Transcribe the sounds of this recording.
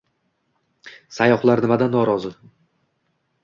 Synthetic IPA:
sajɒχlˠaɾnɪmad̪anːɒɾɒzɨ

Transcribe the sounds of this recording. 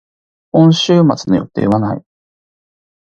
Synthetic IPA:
õ̞ɰ̃ɕɨːmat͡sɨno̞jo̞̰t̪e̞̰ːβanaḭ

